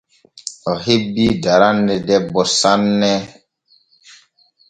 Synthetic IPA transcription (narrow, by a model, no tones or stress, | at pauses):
ɔɦebidaɾanːɛdɛbɔsanːɛ